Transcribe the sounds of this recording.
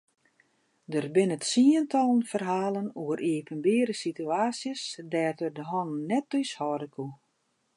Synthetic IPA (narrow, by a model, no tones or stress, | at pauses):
dərbɪnətsiəntɔlˠənfərɦaːlənuərʔiːpənbɪːɾəsityaːsjəsdɛːtərdəɦɔnnːɛt̚ːyshɔːdəkʰu